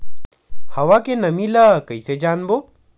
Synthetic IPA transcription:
həʋakenəmiləkəjsed͡ʒaːnbo

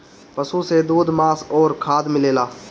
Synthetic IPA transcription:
pəsũːseːd̪uːd̪maːsoːɾkʰaːd̪mɪleːlaː

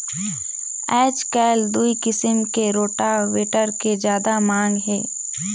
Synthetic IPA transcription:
ɛːt͡ʃkɛːld̪uikɪsəmkeɾoːʈaweːʈəɾked͡ʒjaːd̪amãːŋɡɦɛː

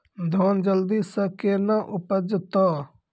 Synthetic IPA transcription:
d̪ʱɔːnd͡ʒəld̪iːsəkeːnãʔʊpəd͡ʒət̪aː

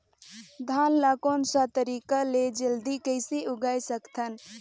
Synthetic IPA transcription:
d̪ʱanlakonsat̪əɾikaled͡ʒəld̪ikəɪsiʔʊɡajsəkt̪ʰən

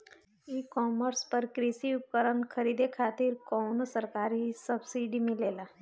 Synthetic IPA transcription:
iːkɔːməɾspəɾkɾiːsiʊp̚kəɾənkʰɐɾiːd̪ekʰaːt̪ɪɾkɔːnsəɾkaːɾɦisəbsiːɖimɪ̃leːlaː

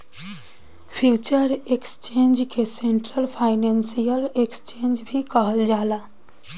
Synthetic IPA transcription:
pʰjut͡ʃəɾekst͡ʃend͡ʒkeseɳʈɾəlpʰaɪnensijəlekst͡ʃend͡ʒbʱikəɦəld͡ʒaːla

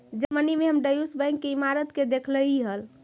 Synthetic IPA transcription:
d͡ʒəɾmənimeɦəmɖəjusbə̃ŋkːeimaɾət̪ked̪ekʰləiɦəl

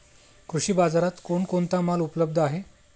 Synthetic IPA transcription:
kɾuʂiːbad͡zaɾat̪koɳkoɳt̪amalupələb̚d̪ʱəaɦe

